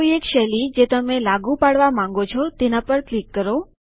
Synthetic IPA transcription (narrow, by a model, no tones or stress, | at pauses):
oiekʃɛlid͡ʒet̪əmelaɡũpaɽʋamãŋ̆ɡot͡ʃʰɔt̪enapəɳklikːəɾo